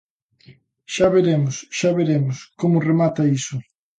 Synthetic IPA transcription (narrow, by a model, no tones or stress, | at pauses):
ʃaβeɾemʊsʃaβeɾemʊskomʊremat̪ɐisʊ